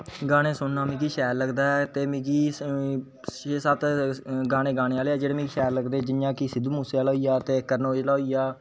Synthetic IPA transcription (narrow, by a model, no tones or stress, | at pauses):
ɡaːɽ̃eːsʊnnaːmĩːkiːʃɛːɾləɡd̪aːt̪eːmĩːkiː | eːsaːt̪ɡaːɽ̃eːɡaːñeːaːleːaːd͡ʒeːɽeːmĩːkʃɛːɾləɡd̪eːd͡ʒɪnjãːkiːsɪd̪uːmuːseːaːlaːijaːt̪eːkəɾnoːd͡ʒlaːoijaː